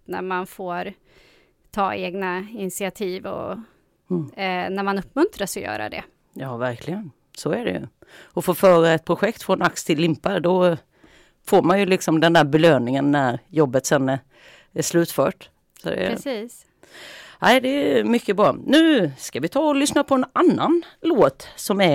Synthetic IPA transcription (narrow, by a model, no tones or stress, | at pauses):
næ̰ɾmanfoːɾ | t̪ʰɑːeːɡnaɪnɪsɪat̪ʰiːvɔ̰ | næɾmanɵpːmɵnt̪ɾasɔjœ̰ːɾa̰d̪ɛ̰ | jɑːvæɾkʰlɪɡən | sɔæɖɛ̰jɵ̰ | ɔfoːfœːɾaɛt̪̚pʰɾʊɧɛkt̪fɾɔnakst̪ʰɪlːɪmpaɾd̪ɔ | foːɾmanjɵlɪksɔmd̪ɛnd̪æːɾbɛløːnɪŋənːæɾjɔbːət̪sɛnː | æʂlʉ̟ːt̪fœːʈ | sɔd̪ɛ̰ɾɛsiːs | æɪd̪ɛmʏkːəbɾɑːnʉ̟ːskavɪt̪ʰɑːɔlʏsnapʰɔɛnanːanloːt̪sɔmæ